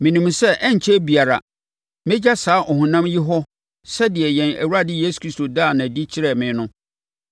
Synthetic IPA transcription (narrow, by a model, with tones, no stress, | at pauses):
mɪ̃˨nũ˨msɛ˦ʔɛ˦ɲ˨t͡ɕʰɛ˦bi˨a˨ɾa̰˨ | mɪ̃˦d͡ʑa˦saː˨˦ʔɔ˨hũ˨nã˦mji˦ɦɔ˦ | sɛ˦dɪ˨ɛ˨jɛ̃˨næ̰˨wu˦ɾa˦dɪ˦jeː˦su̥˨˦kʰɾi˦sto˨daː˦˨nã˨di˦t͡ɕʰɪ˦ɾɛ˨mɪ̃˨˦nʊ̃˦